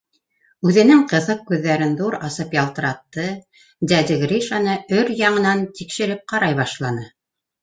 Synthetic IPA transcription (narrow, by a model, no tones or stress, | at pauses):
ʉðɘ̆nɘŋqɤ̆ðɤq̚kʉðːæɾɘnðuɾɑsɤpjɑlˠt̪̆ɾɑt̪ːɤ | d̪æd̪ɘɡɾiʃɑnɤɵɾjɑɴɤ̆nɑnt̪ikʃɘ̆ɾɘp̚qɑɾɑjβɑʃlˠɑnɤ